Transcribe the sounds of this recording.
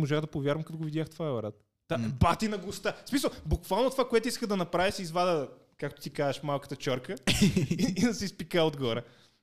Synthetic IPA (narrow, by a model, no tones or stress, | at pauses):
moʒaɣd̪ɐpovʲjaɾvɐmkɐt̪oɡovid̪jaxt̪vaɛvɐɾat̪̚ | d̪abat̪inɐɡost̪asmisəlˠbukvalˠnot̪o̥vakoɛt̪oʊiskəd̪ɐnɐpɾavʲisizvad̪ə | kakt̪o̥t̪ikazəʃmalˠkə̥t̪ət͡ʃɔɾkə | id̪ɐsɛispikaod̪ɡɔɾə